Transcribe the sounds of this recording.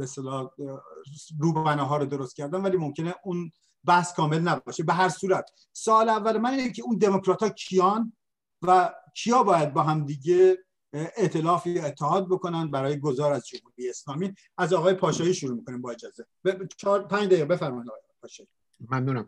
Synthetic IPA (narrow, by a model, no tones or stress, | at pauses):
best̪elɒː | ɾuːbænɒːɦɒːɾod̪o̞ɾost̪̚cʰæɾd̪ænvæliːmo̞mcʰe̞neun | bæhskʰɒːme̞lnæbɒːʃebeɦæɾsuːɾæt̪ʰ | soɒːlævːælemæniːnecʰeund̪e̞mocɾɒːt̪ʰɒːcʰijɒːn | væcʰijɒːbɒːjæd̪̚bɒːɦæmd̪iːɟe | et̪ʰe̞lɒːfiet̪ʰːeɦɒːd̪̚bo̞ko̞nænd̪̚bæɾɒːjeɡo̞zɒːɾæzd͡ʒomhuːɾijeːslɒːmiː | æzɒːɣɒːjepʰɒːʃɒːiːʃuɾuːmikʰo̞nimbɒed͡ʒæzebt͡ʃʰːɾpʰænd͡ʒd̪æɣiːɣebe̞fæɾmɒid̪ɒːɣːjepʰɒːʃɒːi | mæmnunæm